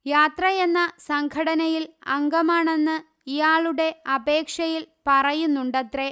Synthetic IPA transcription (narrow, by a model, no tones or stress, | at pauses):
jaːt̪rɐje̞nːɐsɐŋɡʰʱɐɽɐnɐjilɐŋɡɐmaːɳe̞nːɨ | ijaːɭuɽe̞ɐbe̞ːkʂɐjilpɐrɐjunːuɳɖɐt̪re̞